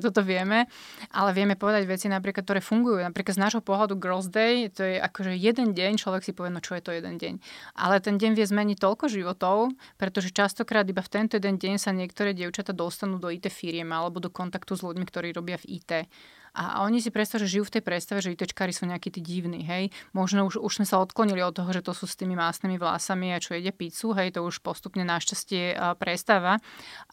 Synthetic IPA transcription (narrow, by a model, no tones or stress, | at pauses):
t̪ɔt̪ɔʋɪɛmɛʔa̰lɛʋɛmɛpɔʋɛd̪aɟʋɛt͡sinap̬ɾikat̪t̪ːɔɾɛːfuŋɡujunapɾiːklad̪znaːʒɦɔpɔɦlad̪uɡɔlzd̪ɛjt̪ɔjɛʔa̰kɔʒɛjɛd̪ɛnɟɛɲt͡ʃlɔʋɛksipɔʋjɛnɔt͡ʃɔjɛt̪ɔjɛd̪ɛnɟɛ̰ɲʔa̰lɛt̪ɛnɟɛɲʋɪɛzmɛɲic̚t̪ɔlkɔʒiʋɔt̪ɔʊpɾɛt̪ɔʒɛt͡ʃast̪ɔkɾaːd̪ibaft̪ɛnt̪ɔjɛd̪ɛnɟɛɲsaɲɪɛkt̪ɔɾɛːɟɪɛʊt͡ʃat̪ad̪ɔst̪anuːd̪ɔit̪ɛːfiɾɪɛmalɛbɔd̪ɔkɔnt̪akt̪uzluɟmikt̪ɔɾiːɾɔbɪavḭt̪ɛː | ʔa̰ɔɲis̬ipɾɛt̪st̪aaʒɛʒijuːft̪ɛjpɾɛt̪st̪aʋɛʒɛit̪ɛt͡ʃkaːɾisuːɲɛakiːt̪iːɟiʊnḭːɦɛjmɔʒnɔuʃuʒz̥mɛsaɔt̪klɔɲiliɔt̪ːɔɦɔʒɛt̪ɔsuːst̪iːmimasniːmiʋla̰samiat͡ʃɔjɛɟɛpit͡suɦɛjt̪ɔuʃpɔst̪upɲɛnaʃcascɪɛpɾɛst̪aʋa